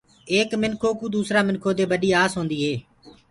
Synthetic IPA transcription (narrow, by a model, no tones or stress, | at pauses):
eːkmɪnkʰoːkũːd̪uːsɾaːmɪnkʰoːt̪̬eːbəɗiːaːsɦoːnd̪iːɦeː